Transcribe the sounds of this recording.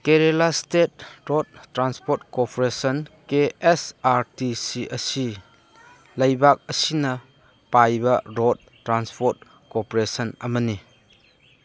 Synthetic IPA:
keɾelastet̚ɾod̚tːɾanspotkopʰoɾesənkeesaɾtisiʔɐsi | lɐjbak̚ɐsinɐ | pajbɐɾot̚ː | ɾanspʰot̚ | kopoɾesɐnɐmɐni

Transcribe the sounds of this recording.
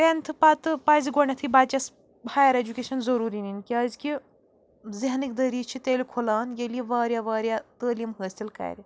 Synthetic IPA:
ɾent̪ʰɨpɐt̪ɨpaːziɡoɳʲɐt̪ʰibaːt͡ʃɐs | haːjɐɾed͡ʒukʲeːʃɐnzɐɾuːɾininkʲiɐzki | ziɦnikd̪ɐɾiːt͡ʃʰit̪eːlʲikʰulaːnjeliʋaːɾʲjaʋaːɾʲjat̪əːliːmɦəːsilkɐ̰ːɾʲi

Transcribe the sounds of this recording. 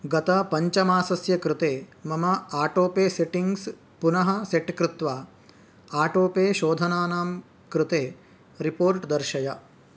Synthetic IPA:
ɡɐt̪ɐpɐɲt͡ʃɐmaːsɐsjɐkɾɪt̪eːmɐmɐaːʈoːpeːseʈiŋɡs | punɐɦɐseʈkɾɪt̪ʋaː | aːʈoːpeːʃoːd̪ʱɐnaːnaːm | kɾɪt̪eː | ɾipoːɾʈd̪ɐɾʃɐjɐ

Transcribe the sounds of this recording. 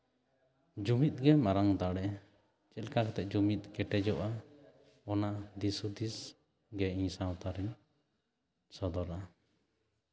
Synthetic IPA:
d͡ʒumit̪̚ɡɛmaɾaŋd̪aɽɛ | t͡ʃɛlkakɛt̪ɛʔd͡ʒumit̪̚ˀkɛʈɛd͡ʒɔʔa | ɔnad̪isud̪is | ɡɛĩɲsaw̃t̪aɾɛɲ | sɔd̪ɔɾʔa

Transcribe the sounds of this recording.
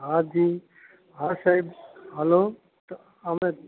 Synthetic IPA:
ɦad͡ʒi | ɦasaibɦɐloː | t̪ | ɐme

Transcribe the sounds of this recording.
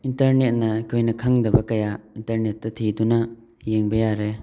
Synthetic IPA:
intɐɾnet̚nɐkʰojnɐkʰaŋdɐbɐkɐjaintɐɾnet̚dɐtʰiduna | jeŋbejaɾe

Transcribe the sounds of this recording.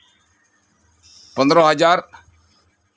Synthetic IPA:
pə̃nd̪ɾõːɦəd͡ʒaːɾ

